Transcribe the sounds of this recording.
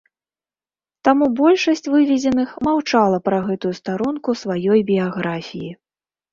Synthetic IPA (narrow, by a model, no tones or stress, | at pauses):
t̪amubɔlʲʂɐsʲt͡sʲvɨvʲɛd͡zʲɛnɨxmawt͡ʂalˠɐpɾɐɣɛt̪ujust̪aɾunkusvajɔjbʲijaɣɾafʲiji